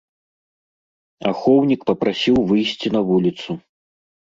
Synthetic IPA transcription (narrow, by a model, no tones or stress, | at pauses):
a̰xɔwnʲikpɐpɾasʲiwvɨjsʲt͡sʲinɐvulʲit̪su